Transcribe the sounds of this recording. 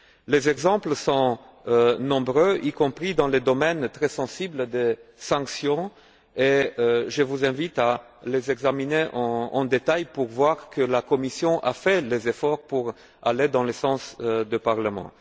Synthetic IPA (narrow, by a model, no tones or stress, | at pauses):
lezɛɡzɑ̃plsɔ̃ | nɔ̃bʁøikɔ̃pχid̪ɑ̃led̪ɔmɛnt̪χɛsɑ̃sibld̪esɑ̃ksjɔ̃ | eʒəvuzɛ̃vit̪a | lezɛɡzamineʔɑ̃ɑ̰̃d̪et̪ajpuʁvwaʁkəlakɔmisjɔ̃ʔafɛlezefɔʁpuʁ | aled̪ɑ̃lesɑ̃sd̪əpaʁləmɑ̰̃